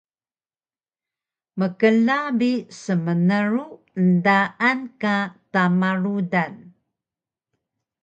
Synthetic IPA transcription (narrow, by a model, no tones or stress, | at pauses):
məkəlabisəmənəɾu | ndaʔankatamaɾudan